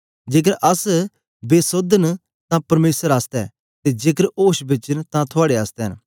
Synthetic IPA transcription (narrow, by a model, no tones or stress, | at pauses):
d͡ʒeːk̬əɾʔɐs | beːsod̪ən | t̪ãpɐɾmeːsəɾaːst̪ɛ | t̪ed͡ʒeːkəɾoːʃbet͡ʃənt̪ãt̪ʰʊaːɽeaːst̪ɛɦən